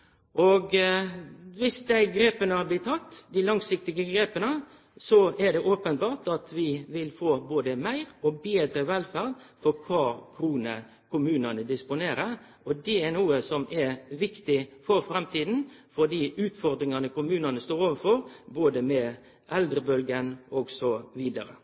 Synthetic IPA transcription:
ʔɔɡ | ʋɪsd̪æɪɡɾeːpənəhɑblɪt̪ʰːɑt̪ːd̪ɪlɑŋsɪk̚t̪ɪɡəɡɾeːpənə | sɔæɖ̪ɛʔoːpənbɑːʈɑt̪ʰʋɪʋɪlfoːboːd̪əmæɪɾɔbeːd̪ɾəʋɛlfæːlfɔɾkʰʋɑːkʰɾuːnə̰ | kʰʊmʉːnɑnəd̪ɪspʊneːɾəʁ | ɔd̪ɛænuːəsɔmɛɾʋɪkt̪ɪfɔɾfɾɛmt̪ʰiːd̪n̩fɔd̪iːʉːt̪fɔɾd̪ɾɪŋɑnəkʊmʉːnɑnəst̪oːɾoːʋəfɔɾboːd̪əmɛ | ʔɛld̪ɾəbœlɡənɔːɡsɔʋiːd̪ɑɾə

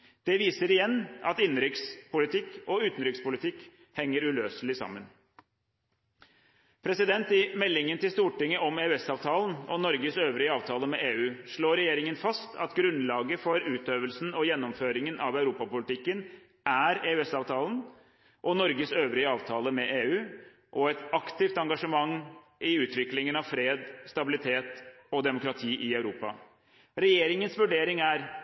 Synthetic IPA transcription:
d̪̥ɛʋiːsəɾɪjɛnːɑt̪ɪnɾɪkspʊlɪt̪ʰɪkːɔʉːt̪n̩ɾɪkspʊlɪt̪ʰɪkː | hɛŋːəɾʉløːsəlɪsɑ̰mːən | pʰɾɛsɪd̪ɛnt̪ɪmɛlːɪŋənt̪ɪlst̪uːʈɪŋːəʔɔmeʉɛsɑːʋt̪ʰɑːln̩ɔnɔɾɡəsøːʋɾɪəɑːʋt̪ʰɑːləmɛʔeːʉːʂɭoːɾɛjeːɾɪŋənfɑst̪ʰɑ̰t̪ɡɾʉnlɑːɡəfɔɾʉːt̪øːʋəlsn̩ɔjɛnːɔmføːɾɪŋənʔɑʋæʉɾuːpɑpʊlɪt̪ʰɪkːən | ʔæɾeːʉɛsɑːʋt̪ʰɑːln | ʔɔnɔɾɡəsøːʋɾɪəɑːʋt̪ʰɑːləmɛʔeːʉː | ʔɔɛt̪ɑkt̪ɪft̪ɑŋɡɑʂəmɑŋː | ʔɪʉːt̪ʋɪklɪŋənɑʋfɾeːd̪st̪ɑbɪlɪt̪ʰeːt̪ | ɔd̪ɛmʊkɾɑt̪ʰiːʔɪæʉɾuːpɑ̰ | ɾɛjeːɾɪŋənsʋʉɖeːɾɪŋæɾ

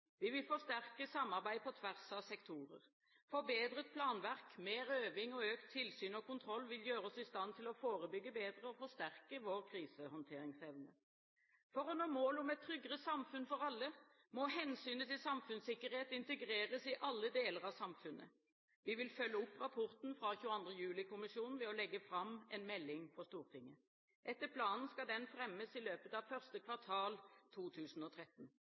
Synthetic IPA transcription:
ʋɪʋɪlfɔʂt̪æʁkəsɑmːɑʁbæɪpʰɔt̪ʰʋæʁsɑʋsɛkt̪ʰuːʁə̰ʁ | fɔbeːd̪ʁət̪̚pʰlɑːnʋæʁkmeːɾøːʋɪŋɔøːkt̪ʰːɪlsyːnɔkʊnt̪ʰɾɔlːʋɪljøːʁəɔsɪst̪ɑnt̪ʰɪlɔfoːʁəbʏɡːəbeːd̪ʁəɔfɔʂt̪æʁkəʋoːʁkʰʁiːsəhɔnt̪ʰeːɾɪŋsɛʋnə | fɔʁɔnoːmoːlɔmɛt̪ʰːɾʏɡʁəsɑmfʉnfɔʁɑlːə | mɔɦɛnsyːnət̪ɪlsɑmfʉnsɪkːəʁheːt̪ɪnt̪əɡʁeːʁəsɪʔɑlːəd̪eːləʁɑʋsɑmfʉnːʔə̰ | ʋɪʋɪlfœlːəʊpːʁɑpʰʊʁt̪n̩fʁɑçʉːɑnd̪ʁəjʉːlɪkʰʊmɪʃjuːnn̩ʋɛɔlɛɡːəfɾɑmɛnmɛlːɪŋfɔst̪uːʁt̪ʰɪŋːə | ʔɛt̪ːəpʰlɑːnn̩skɑd̪ɛnfɾɛmːəsɪløːpət̪ɑʋfœʁst̪əkʰʋɑʁt̪ʰɑːlt̪ʰuːt̪ʰʉːsn̩ɔt̪ʰʁɛt̪n̩

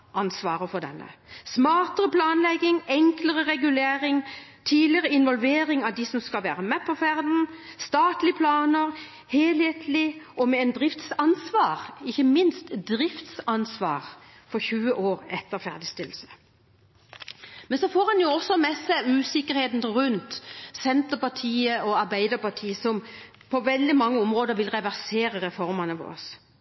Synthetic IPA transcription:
ɑnsʋɑːʁəfɔd̪ɛ̰nːə̰smɑːt̪əʁəpʰlɑːnlɛɡːɪŋɛŋkləʁəʁɛɡʉleːɾɪŋt̪ʰiːlɪəʁəɪnʋɔlʋeːɾɪŋɑʋd̪ɪsɔmskɑlʋæ̰ːʁəmɛpʰɔfæʁd̪n̩st̪ɑːt̪lɪəpʰlɑːnəɾ | heːlheːt̪ʰlɪʔɔmɛɛnd̪ʁɪft̪sɑnsʋɑːʁɪçːəmɪnst̪d̪ʁɪft̪sɑnsʋɑ̰ːʁ | fɔʁçʉːəʔoːɾɛt̪ːəʁfæʁd̪ɪst̪ɪlːsə̥ | mɛnsɔfoːɾhɑnjʊɔsːɔmɛsæɪʉːsɪkːəɾheːt̪n̩ʁʉnt̪sɛnt̪əpɑʈʰiːəɔɑʁbæɪd̪əʁpɑʈʰiːəsɔm | pʰɔʋɛld̪ɪmɑŋːəɔmʁoːd̪əʁʋɪlʁɛʋæʁseːɾəʁɛfɔɾmɑnəʋɔ̰ʁɔs

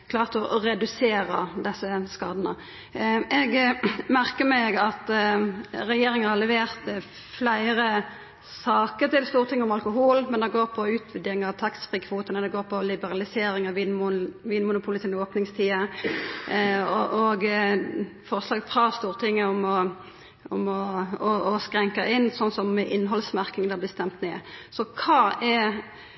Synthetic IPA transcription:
kʰlɑːʁt̪ɔʔɾɛd̪ʉseːɾəd̪ɛsːəskɑːd̪ənə | ɛɡmæʁkəmɛɡɑt̪ | ɾɛjeːɾɪŋəhɑʁlɛʋeːʁt̪ | flæɪɾə | sɑːkəɾt̪ɪlst̪uːɾət̪ʰɪŋəʊmɑlkʊɦuːlmɛnd̪ɛɡoːɾpʰɔʉːt̪ʰʋɛd̪ɪɪŋɑʋt̪ʰɑksfʁɪkʰʋuːt̪ənəd̪ɛɡoːɾpʰɔlɪbəʁɑlɪseːɾɪŋɑʋiːnʋiːnmʊnʊpʰʊlɪsɪnoːpnɪŋst̪ʰiːə | ɔʔoɡ | fɔʁslɑːɡfʁɑːst̪uːʁt̪ʰɪŋːəʊmɔ | ɔmɔɔɔskɾɛŋkəʔɪnːsɔnsɔmːɛʔɪnːɦɔlsmæʁkɪŋd̪æːblɪst̪ɛmt̪neːsɔkʰɑːɛ

